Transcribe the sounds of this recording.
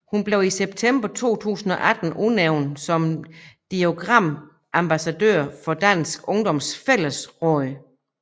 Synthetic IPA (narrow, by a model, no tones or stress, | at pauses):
hunb̥le̝ʊiseb̥̚t͡sʰemb̥ɐt͡sʰo̝̰ːt͡sʰṵːsn̩ɒ̽ʔæd̥n̩ʔuneʊnsɒ̽md̥io̝ɡ̥ʁɑm̰ | ʔæmb̥æsæd̥ø̰ɐ̰fɒ̽d̥æn̰sɡ̥ɔ̽ŋd̥ɒ̽msfel̰əsʁɒɪ